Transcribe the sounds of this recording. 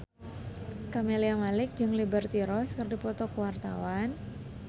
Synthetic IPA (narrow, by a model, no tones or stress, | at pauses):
kameliamalɪk̚d͡ʒɨŋlibərt̪iɾɔskɨrdipɔt̪ɔkəwart̪a̰wan